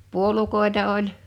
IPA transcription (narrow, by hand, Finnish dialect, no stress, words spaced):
puolukoˑetɑ olʲ